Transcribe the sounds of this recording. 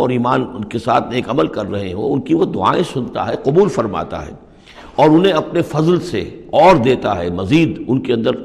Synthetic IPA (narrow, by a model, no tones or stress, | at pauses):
ɔːɾiːmaːnʊnkesa̰ːt̪ʰneːkɐməlkɐɾːɐɦeɦõ̰ʊnkiʋod̪ʊa̰ːẽsʊnt̪a̰ɦɛqʊbuːlfɐɾma̰ːt̪a̰ɦɛ̰ː | ɔːɾʊnɦẽɐpnefɐzlsḛɔːɾd̪eːt̪aɦɛmɐziːd̪ʊnkeɐ̃nd̪əɾ